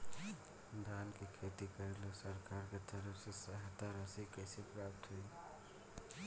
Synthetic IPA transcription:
d̪ʱankekʰet̪ikəɾelosəɾkaɾket̪əɾəfsesəɦət̪aɾəsikəɪsepɾapʈʰɦe

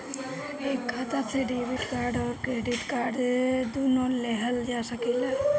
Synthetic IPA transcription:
ekʰat̪at͡sʰeɖibiʈkaɾɖɔɾkɾeɖiʈkaɾɖed̪unɔleɦəld͡ʒasakila

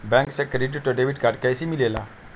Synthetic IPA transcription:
bɛ̃ŋksɛkɾiʈiʈɔɖeʋiɖkaɖkajsimilela̰

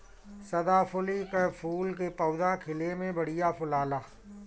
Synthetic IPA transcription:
sɐd̪aːpʰʊlikepʰuːlk̬epɐːd̪akʰɪlemẽbɐɽ̤ijapʰʊlaːlaː

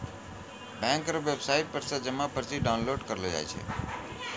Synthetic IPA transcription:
bɛ̃ŋkɾoʋebsaɪʈ̚pəɾsed͡ʒəmãpəɾt͡ʃʰiɖaʊnloɖkəɾlod͡ʒa̰jt͡ʃʰḛ

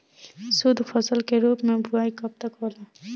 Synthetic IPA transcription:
sʊd̪ʱfʰɐsəlkeɾuːpmẽbʱʊɾaːikɐb̚t̪ɐkɦoːlaː

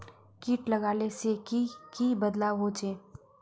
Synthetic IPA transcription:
kiːʈlɐɡaːlesekikibɐd̪laɦoːt͡ʃeː

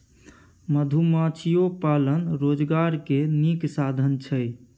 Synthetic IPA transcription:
məd̪ʱumat͡ʃʰijopalənɾod͡ʒɡaɾkeniksad̪ʱənt͡ʃʰəj

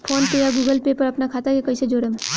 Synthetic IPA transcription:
pʰoːnpejaɡuːɡəlpepəɾəpnakʰat̪akekəjsed͡ʒoːɽem

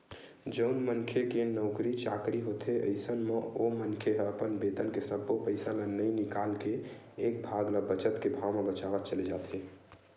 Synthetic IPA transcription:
d͡ʒəʊnmənkʰekenəʊkɾit͡ʃa̰kɾiɦot̪ʰeə̰ɪsənmeomənkʰeɦəpənbed̪ənkesəbːopəɪjsalənəjnikalkeː | k̚bʱaɡləbət͡ʃət̪kebʱawmebət͡ʃabat͡ʃəled͡ʒat̪ɦe

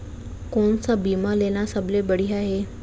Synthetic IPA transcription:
koɳsabimalenasəblebəɽ̤iaɦe

